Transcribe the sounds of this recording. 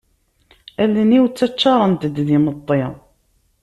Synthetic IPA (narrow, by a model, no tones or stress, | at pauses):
ælːəniwt͡sːæt͡ʃːɑɾˤənt̪əd̪ðimət̪ˤːe